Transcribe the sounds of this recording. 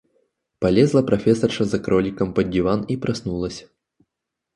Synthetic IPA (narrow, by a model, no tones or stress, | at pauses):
pɐlʲɛzlˠɐpɾɐfʲɛsɐrʂɐzɐkɾɔlʲikɐmpɐdʲivanipɾɐsnulˠɐsʲ